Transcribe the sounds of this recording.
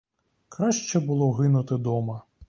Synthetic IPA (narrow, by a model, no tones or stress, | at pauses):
kɾɑʃt͡ʃɛbʊlˠɔɦɪnʊt̪ɪd̪ɔmɐ